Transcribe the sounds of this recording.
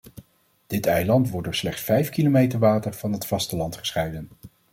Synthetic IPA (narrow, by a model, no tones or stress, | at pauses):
d̥ɪtɛjlɑntʋɔɹ̚dʊːɹslɛχtsfɛjfkilomejtəɹʋaːtəɹv̥ɑnɦətfɑstəlɑntχə̥sχɛjdən